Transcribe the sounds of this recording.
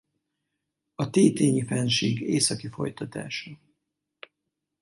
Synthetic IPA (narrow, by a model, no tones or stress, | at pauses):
ɒt̪eːt̪eːɲifɛnʃeːɡeːsɒkifo̞jt̪ɒt̪a̰ːʃɒ